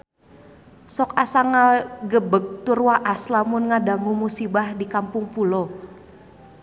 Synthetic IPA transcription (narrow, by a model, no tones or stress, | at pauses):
sɔkasaŋaɡəbəɡ̚t̪urwaʔaslamʊnŋadaŋumusibahdikampʊŋpulo